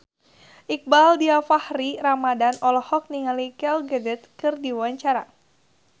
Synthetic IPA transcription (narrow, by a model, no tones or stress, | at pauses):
ʔik̚baldiafahriɾamadanɔlɔhɔk̚niŋalikɛlɡɛdɛt̪̚kɨrdiwaɲt͡ʃaɾa